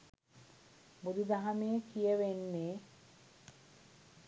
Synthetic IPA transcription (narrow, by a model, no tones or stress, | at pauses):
bud̪ʱid̪aɦameːkʰieβenːe